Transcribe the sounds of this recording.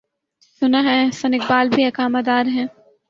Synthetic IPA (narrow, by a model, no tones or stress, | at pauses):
sʊnaɦɛ̃sɐnɪk̚baːlbʱiɐkaːmad̪aːɾɦɛ̃ː